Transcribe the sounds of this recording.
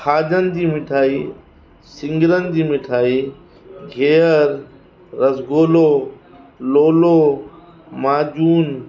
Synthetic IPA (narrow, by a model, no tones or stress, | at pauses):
xaːd͡ʒənɪ̆d̪iːmɪʈʰaːiː | sɪ̃ŋɡɪɾənɪd̪iːmɪʈʰaːiː | ɡʱeːəɾː | ɐsɡoːloː | loːloː | maːd͡ʒuːn